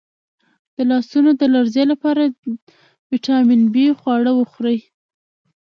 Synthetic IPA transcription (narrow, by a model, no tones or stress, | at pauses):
d̪̥əlɑsunod̪əlaɾzjelapɑɾa | wiʈɑmɪnbixwɑɽəwəxɾəj